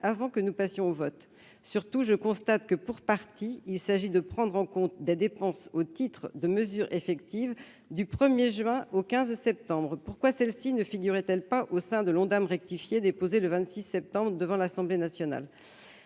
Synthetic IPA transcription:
avɑ̃kənupasjɔ̃ovɔt̪ | syʁt̪uʒəkɔ̃st̪at̪kəpuʁpaʁt̪iilsaʒid̪əpχɑ̃d̪ʁɑ̃kɔ̃t̪d̪ed̪epɑ̃sot̪it̪χd̪əməzyʁefɛkt̪iv | d̪ypχəmjeʒɥɛ̃okʲɛ̃zsɛp̚t̪ɑ̃bʁpuʁkwasɛlsinəfiɡʲyʁɛt̪ɛlpaʔosɛ̃d̪əlɔ̃d̪amʁɛk̚t̪ifjed̪epozeləvɛ̃t̪sisɛp̚t̪ɑ̃bʁəd̪əvɑ̃lasɑ̃blenasjɔna̰l

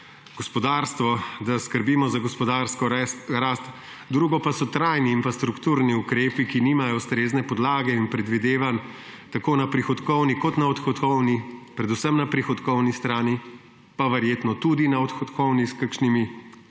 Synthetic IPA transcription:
ɡ̥ɔspɔd̪aːɾst̪ʋɔd̪askəɾbiːmɔzaɡɔspɔd̪aːɾskɔɾaːst̪ | d̪ɾuːɡɔpasɔt̪ɾaːjniːnfɾast̪ɾukt̪uɾniukɾeːpikiniːmajɔwst̪ɾeːznɛpɔd̪laːɡɛinpɾɛd̪ʋid̪eːʋan | t̪akoːnapɾixɔt̪kɔwnikɔt̪naɔt̪xɔt̪kɔwnipɾɛd̪usəmnapɾixɔt̪kɔwnist̪ɾaːni | paʋəɾjeːt̪nɔt̪ud̪inaɔt̪xɔt̪kɔwniskakʃnimi

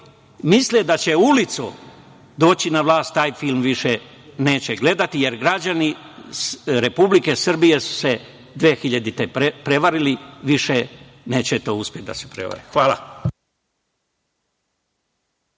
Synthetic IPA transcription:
misled̪at͡ɕe̞ulit̪su | d̪o̞ːt͡ɕinaʋlˠaːst̪ːaːjfilˠmʋiʃe | ne̞ːt͡ɕeɡle̞d̪at̪ije̞ɾɡɾad͡ʑani | ɾe̞publike̞sr̩bijesu̥se | d̪ʋeːxiʎad̪it̪epepɾe̞ʋaɾiliʋiʃene̞ːt͡ɕet̪o̞ːuspʲjet̪̚d̪a̰sepɾeʋa̰ɾixʋaːla̰

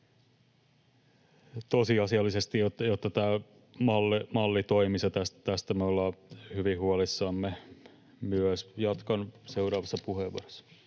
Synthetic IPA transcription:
t̪osiɑsiɑlːisest̪ijot̪ːjot̪ːɑt̪æː | mɑlːimɑlːit̪oimisɑt̪æst̪t̪æst̪æmeolːɑːhyʋihuɑlisːɑːmːe | myøsjɑt̪kɑnse̞uɾɑːʋɑsːɑpuheʋṵorosːɑ̥

